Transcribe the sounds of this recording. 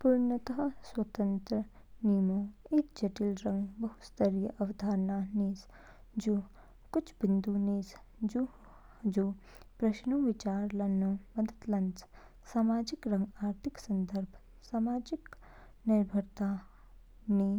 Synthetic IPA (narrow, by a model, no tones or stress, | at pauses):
puːɾɳət̪əɦswɐt̪ə̃nt̪ɾə | niːmoːeːkd͡ʒɐʈilɾɐ̃ŋɡbɐɦust̪əɾijəʔɐʋd̪ʱaːɾnaːniːs | d͡ʒoː | kʊt͡ʃʰbɪnd̪uːneːs | d͡ʒu | d͡ʒoː | pɾɐʃnuːʋɪt͡ʃaːɾlɐnːoːmɐd̪ʱət̪lɐns | saːmaːd͡ʒikɾɐ̃ŋɡaːɾt̪ʰɪksɐnd̪əɾbʱ | saːmaːd͡ʒik | nɪɾbʱəɾt̪aː | niː